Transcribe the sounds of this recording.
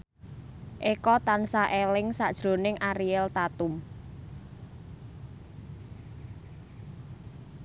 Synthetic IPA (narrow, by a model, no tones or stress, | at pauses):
ʔekɔt̪ansaʔelɪŋsad̥ʒ̥ɾo̤nɪŋʔaɾiɛlt̪at̪ʊm